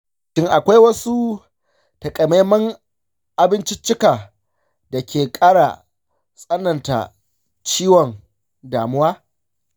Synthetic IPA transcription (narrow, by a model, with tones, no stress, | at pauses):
ʃɪ˦ŋʔa˨kʷa˦jwɐ˦su˦ | tɐ˨kʼɐ˨me˦mɐ˦ŋ | ʔa˨bɪ˦nt͡ʃɪ˦t͡ʃːɪ˦kaː˨ | da˨kʲeː˨kʼaː˦ɽa̰˨ | sʼɐ˦nːɐ˨nta̰˨ | t͡ʃiː˦wɔ˨ŋ | daː˨mʊ˦waː˦